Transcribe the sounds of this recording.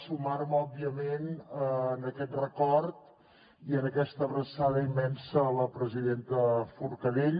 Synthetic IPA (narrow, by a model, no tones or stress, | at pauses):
sumaɾmɔbːiəmenənəkɛt̪rəkɔɾt̪ | iənəkɛst̪əβɾəsaðəimːɛnsələpɾəziðent̪əfuɾkəleʎ